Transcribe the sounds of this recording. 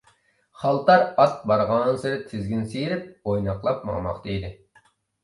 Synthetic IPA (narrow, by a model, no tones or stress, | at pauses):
χɑlˠt̪ɑɾɑt̪̚bɑɾʁɑnsɨɾɪt̪ʰɪzɡʲɪnsejɾɪp̚ojnɑqlˠɑp̚mɑ̰ʁmɑ̰qt̪ɑjd̪ɪ